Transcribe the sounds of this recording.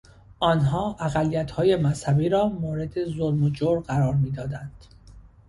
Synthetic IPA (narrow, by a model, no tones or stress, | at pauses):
ʔɒːnɦɒːʔæɣælːijæt̪hɒːje̞mæshæbiːɾɒːmoːɾe̞d̪e̞zoɾmod͡ʒoːɾɢæɾɒːɾmiːd̪ɒːd̪ænd̪̥